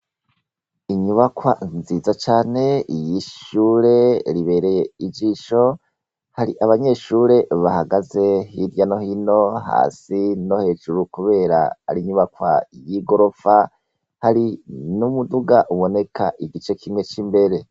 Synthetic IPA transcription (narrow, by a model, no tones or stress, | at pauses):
iɲuβakwaziːzat͡ʃaːne̞jiʃuːɾe̞ɾiβe̞ːɾe̞je̞id͡ʒiːʃo̞ | haɾiʔaβaɲe̞ʃuːɾe̞βahaɡaze̞hiɾjano̞hino̞ha̰ːsino̞he̞ːʒuɾukuβe̞ːɾa̰a̰ɾiɲuβakwa̰jiɡo̞ɾo̞fa | haɾinumuduɡaʔuβo̞ne̞kʰaʔiɡit͡ʃe̞kʰimŋe̞t͡ʃimbe̞ɾe̞